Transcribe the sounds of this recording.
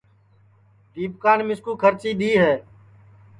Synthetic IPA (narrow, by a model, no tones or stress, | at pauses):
ʈ̪iːpkaːnmɪskuːkʰəɾt͡ʃiːɗ̪iːɦɛː